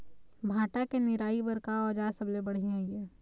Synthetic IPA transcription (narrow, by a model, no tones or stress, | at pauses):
bʱaːʈakenɪɾaːibəɾkaɔd͡ʒaːsəblebɐɽ̤iɦɛ̃jeː